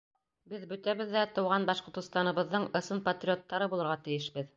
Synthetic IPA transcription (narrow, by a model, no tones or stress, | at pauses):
bɘðbɵ̆t̪æβɘðːæt̪ɤ̆wʁɑnbɑʃqŏɾt̪ɤ̆st̪ɑnɤ̆βɤ̆ðːɤɴɤ̆sɤnpɐt̪rʲiot̪ːɑɾɤbulˠɤ̆ɾʁɑt̪ɘ̆jɘʃbɘð